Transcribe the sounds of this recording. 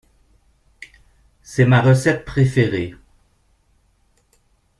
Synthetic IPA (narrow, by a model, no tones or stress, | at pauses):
sɛmaʁəsɛt̪̚pχefeʁe